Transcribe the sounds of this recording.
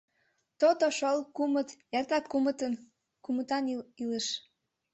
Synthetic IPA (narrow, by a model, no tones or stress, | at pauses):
t̪ot̪oʃolkumət̪jɑrt̪ɑkkːumət̪ən | kumət̪ɑnileʃ